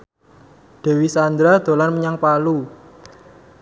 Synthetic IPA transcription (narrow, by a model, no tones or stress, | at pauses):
d̪̥ɛ̤wisand̪ɾad̪̥o̤lanməɲaŋpalu